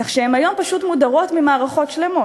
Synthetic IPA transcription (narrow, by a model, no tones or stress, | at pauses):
aχʃeemajo̞mpaʃut̪mudaʁo̞tmimaːʁaχo̞tʃle̞mo̞